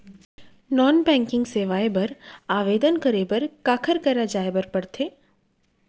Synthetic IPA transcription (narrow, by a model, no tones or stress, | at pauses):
nɔːnbɛ̃ːŋkɪ̃ŋɡseːʋaːebɐɾaːʋeːd̪ənkɐɾebɐɾkaːkʰəɾkɐɾad͡ʒaːebɐɾpɐɽt̪ʰeː